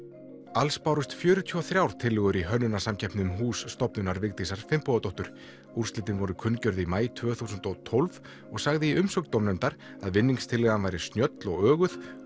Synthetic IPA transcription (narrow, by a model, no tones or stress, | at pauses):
alspawɾʏst̪fjʏːɾʏt̪ʰyːɔθɾjawɾ̥t̪ʰɪlːɪɣʏɾiɦœnːʏnasamcʰɛjhpnɪnʏmɦuːsːt̪ɔpnʏnaɾvɪɣt̪isaɾ̥fɪmpuat̪owht̪ʏɾ̥ | uɾ̥st̪ɪːt̪ɪnvɔɾʏkʰʏncœɾðimaːjt̪ʰvœːθuːsʏnt̪ɔɣt̪ʰɔlv | ɔɣsaɣðɪiʔʏmsɔkt̪owmnɛnt̪aɾ | aðvɪnːiŋst̪ʰɪlɪɣðanvaːjɾɪst̪njœt̪lɔɣœːɣʏθ